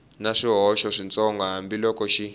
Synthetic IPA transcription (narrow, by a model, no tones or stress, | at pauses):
naʂiɦɔʃɔʂint͡sɔŋɡaɦambilɔkɔʃi